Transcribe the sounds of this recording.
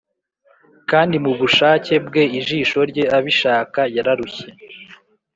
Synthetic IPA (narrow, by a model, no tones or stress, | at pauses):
kaːndimuβuʃaːce̞bɡe̞iʒiːʃo̞ɾɟe̞aβiʃaːkajaɾaɾuçe